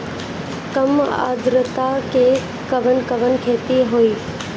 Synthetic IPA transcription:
kəma̰ːd̪ɾət̪ake | kəʋənkəʋənkʰeːt̪iɦoːiː

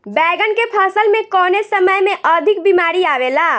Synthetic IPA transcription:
bɛɡənkepʰəsəlmẽkɔnesəməjmeʔəd̪ʱik̚bimaɾiabela

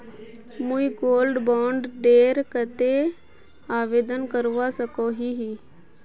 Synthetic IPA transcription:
muiɡoːlɖbɔːɳɖɖeːɾkət̪e | aːʋeːd̪ənkəɾʋasəkoɦiɦi

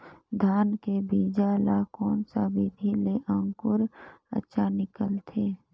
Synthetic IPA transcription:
d̪ʱaːnkebiːd͡ʒalakɔːnsabiːd̪ʱileʔə̃ŋkʊɾə̰tːʃʰanɪkəlt̪ʰeː

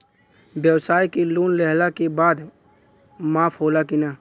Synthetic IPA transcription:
bjəwsaːikeluːnlɛɦlakebaːd̪ | maːpʰɦoːlakɪnaː

